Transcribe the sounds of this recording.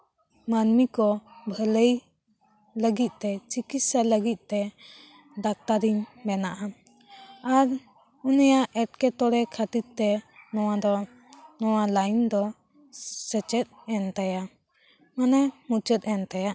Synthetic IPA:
manmikɔbʱələj | ləɡit̪̚t̪ɛt͡ʃikit̪saləɡit̪̚ˀt̪ɛ | ɖak̚t̪aɾiɲbɛnaʔa | aɾ | unɛjaʔɛʈ̚kɛt̪ɔɽɛkʰat̪it̪̚t̪ɛnɔwad̪ɔ | nɔwalajnd̪ɔ | sɛt͡ʃɛt̪̚ɛnt̪aja | manɛmut͡ʃət̪̚ˀɛnt̪ajaʔ

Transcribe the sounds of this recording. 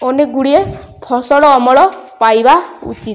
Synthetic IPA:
oneɡuɽiepʰɔsɔɽɔːmɔɭɔpajbaṵt͡ʃit̪

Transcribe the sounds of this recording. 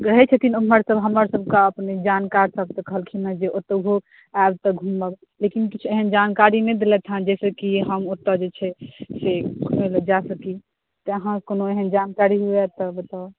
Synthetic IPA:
ɾəɦɛt͡ʃʰət̪inəməɾsəbɦəməɾsəbʱkaəpned͡ʒankaɾsəb̚t̪əkəɦəlkʰinad͡ʒeʔot̪əɦo | aebt̪əɡʱumbab | lekinkit͡ʃʰueɦənd͡ʒankaɾined̪elɛt̪ʰãd͡ʒɛsəkiɦəmot̪ːəd͡ʒet͡ʃʰɛsekʰumeləd͡ʒasəki | t̪əəɦãkonoeɦənd͡ʒankaɾiɦuɛt̪əbət̪a

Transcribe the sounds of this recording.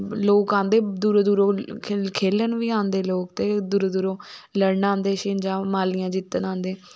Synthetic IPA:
loːkãːnd̪eːd̪uːɾod̪uːɾoːkʰeːlənʋiːãːnd̪eːloːkt̪eːd̪ʊɾd̪uɾõːləɽnãːnd̪eːʃɪːnd͡ʒãːmaːlijãːd͡ʒɪt̪ːənãːnd̪eː

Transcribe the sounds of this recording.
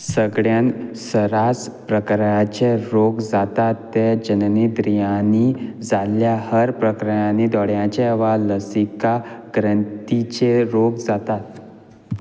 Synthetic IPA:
səɡɭjansəɾaspɾəkɾəat͡ɕeɾoɡd͡zat̪at̪ːed͡ʑənənid̪ɾijãnid͡zaljahəɾpɾəkɾəjanid̪ɔɽjãt͡ɕeʋaləsikaɡɾənt̪it͡ɕeɾoɡd͡zat̪at̪

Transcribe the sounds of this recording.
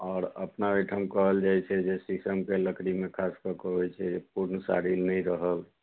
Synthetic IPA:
ɔːɾə̰pnabiʈʰəmkəɦəld͡ʒaɛt͡ʃʰɛd͡ʒesisəmkeləkɾimẽkʰaskəkəɦjt͡ʃʰɛd͡ʒep̚uɾnsa̰ɾilnəĩɾəɦəl

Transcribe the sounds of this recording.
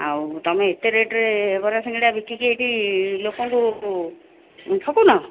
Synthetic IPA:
a̰wt̪ɔmeːt̪eɾeʈɾebɔɾasẽŋɡeɽiabikːikejʈilokɔŋku | ʈʰɔkunɔ

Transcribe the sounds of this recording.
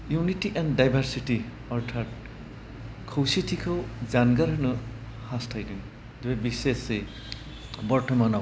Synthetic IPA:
junitiʔɛndajbʱaɾsiti | ɔɾtʰat̚ | kʰowsitʰikʰɯwzanɡaɾɯnɯ | hastʰajdɯŋ | d̪ubebisese | bɔɾʈʰɔmanɔ

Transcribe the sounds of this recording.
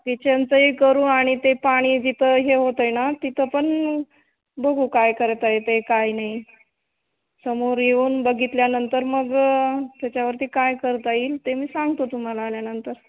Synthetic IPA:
t̪et͡ɕant͡səɦikəɾũːaɽ̃it̪epaɽ̃iːd͡ʑit̪ʰəɦeɦot̪əjnat̪it̪ʰəpəɳ | bəɡʱuːkajkəɾt̪aet̪ekajnai | səmoɾjeuːnbəɡit̪ljanənt̪əɾməɡt̪jat͡ɕjaʋəɾt̪iːkajkəɾt̪aiːlt̪emiːsaŋɡt̪ot̪um̤alaːljanənt̪əɾ

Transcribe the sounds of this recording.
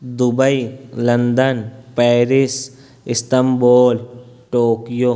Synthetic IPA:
d̪ʊbəilə̃nd̪ənpɛːɾɪs | ɪst̪əmboːl | ʈoːkjo

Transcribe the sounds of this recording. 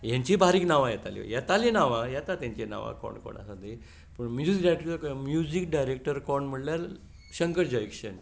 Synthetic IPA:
jãɲt͡ɕibʱaɾiknaʋãjat̪alḭjat̪alenaʋajat̪at̪jãɲt͡ɕena̰ʋa̰kɔ̰ɳɖko̰ɳa̰sad̪ʱi | pəɳmjud͡ziikɖajekʈəəkmjud͡ʑik̚ɖajɾek̚ʈəɾkɔɳm̤əɽljaɾ | ɕəŋkəɾd͡ʑɔikɕən

